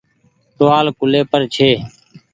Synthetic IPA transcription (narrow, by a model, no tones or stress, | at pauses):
t̪oːaːlkʊleːpəɾt͡ʃʰeː